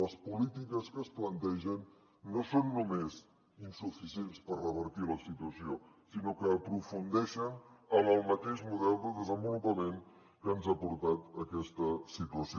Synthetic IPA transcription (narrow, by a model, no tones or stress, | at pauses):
ləspulit̪ikəskəsplənt̪ɛʒənː | osonːumez | insufisienspərrəβəɾt̪iləsit̪uəsio | sinokəːpɾufund̪ɛʃənəməlˠmət̪eʃmuðɛlˠd̪əðəzəmbulupəmen | kəənzapuɾt̪at̪əkɛst̪əsit̪uəsi